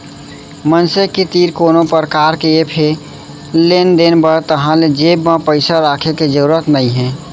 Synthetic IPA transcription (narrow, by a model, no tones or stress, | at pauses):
mənseket̪iːɾkoːnopəɾəkaːɾkeepʰe | lend̪enbəɾt̪əɦãled͡ʒeːbmãpəɪsaɾaːkʰeked͡ʒəɾuɾət̪nəiɦɛ̃ː